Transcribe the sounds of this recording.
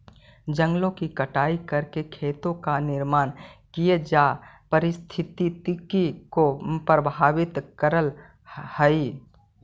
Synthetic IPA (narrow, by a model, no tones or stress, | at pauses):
d͡ʒə̃ŋɡlõkikəʈaːikɐɾkekʰeːt̪õkanɪɾmaːnkijed͡ʒaːpəɾɪst̪ʰɪt̪it̪kikopɾəbʱaːʋɪt̪kəɾəl | həi